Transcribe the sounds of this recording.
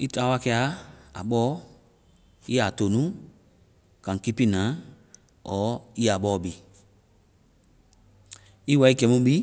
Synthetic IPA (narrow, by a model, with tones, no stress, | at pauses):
i˦taː˨˦wa˦kɛ˧a˦a̰˨ɓɔː˦ | i˦a˨to˨nũ˦ | kã˨ki˦pi˦˨nãː˨˦ | ɔː˨˦i˦a˨ɓɔː˦˨bi˨ | i˦wa˧˦i˦ɡɛ˨˦mũ˦ɓi˦